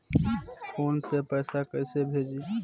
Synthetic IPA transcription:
fʰoːnsepɛːsakɛːsebʱeːd͡ʒi

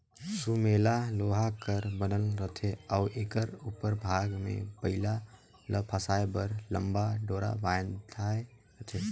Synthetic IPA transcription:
sumeːlaloːɦakəɾbənəlɾət̪ʰeɔːʔɪkəɾuːpəɾbʱaɡmḛ̃pəɦɪla | ləpʰasaːjbəɾlə̃mbaɖoːɾa̰baːjd̪ʰʱae | ɾət̪ʰe

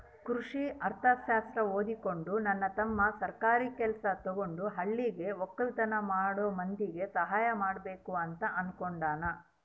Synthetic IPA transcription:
kɾuʂiʔɐɾt̪ʰɐʃaːst̪ɾɐoːd̪iko̞ɳɖunɐnːɐt̪ɐmːɐsɐɾkaːɾiːkɛlɐsɐt̪ɔɡo̞ɳɖuɦɐɭːiɡe̞ʋɔkːɐlt̪ɐnɐmaːɽoːmɐnd̪iɡe̞sɐɦaːjɐmaːɽbeːkuɐnt̪ɐʔɐnkoɳɖaːnɐ

